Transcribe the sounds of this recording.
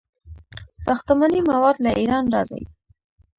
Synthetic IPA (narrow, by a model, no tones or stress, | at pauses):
sɑxt̪amanimawɑd̪laʔiɾɑnɾɑza̰wḭ